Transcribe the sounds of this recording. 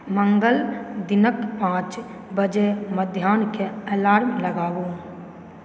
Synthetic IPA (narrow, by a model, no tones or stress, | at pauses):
mə̃ŋɡəld̪ɪnəkpãːt͡ʃ | bəd͡ʒeməd̪ʱjaːnkeɛːlaːɾmẽləɡaːbu